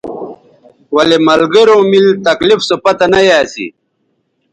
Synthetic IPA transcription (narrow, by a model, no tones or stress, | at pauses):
wɐlemɐlɡɐɾõːmilt̪ɐklifsopɐt̪ɐnɐjaːsḭ